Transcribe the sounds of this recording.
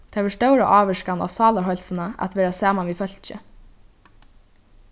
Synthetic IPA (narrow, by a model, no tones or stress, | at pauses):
t̪ʰaːʋɛst̪œwɾaʔɑːʋɪʂkana̰ːsɑːlaɾɦɔjlsənaʔa̰t̪ʋɛːɾasaːmanʋiːfœl̥t͡ʃə̰